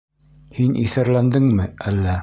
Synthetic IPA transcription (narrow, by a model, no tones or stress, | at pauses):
hinḭθæɾlænd̪ɘŋmɘælːæ